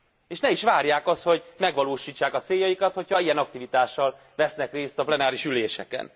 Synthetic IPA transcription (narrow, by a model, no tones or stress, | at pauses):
eːʃnɛiʃʋaːrjaːkɒst̪ho̞ɟmɛɡʋɒloːʃiːt͡ʃːaːkɒt̪seːjːɒjikɒt̪ho̞cʰɒijɛnɒk̚t̪ivit̪aːʃːɒl | ʋɛsnɛkreːst̪ɒplɛnaːɾiʃyleːʃɛ̰kɛ̰n